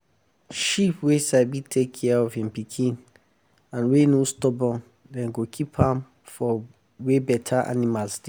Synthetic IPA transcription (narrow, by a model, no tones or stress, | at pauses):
ʃipwesaɪbitʰekʰːɛaɔvĩmpikʰĩn | ãnwenostɔbɔ̃n | dɛ̃nɡokʰipʰãm | fɔ | webɛtʰaʔa̰nimalsdi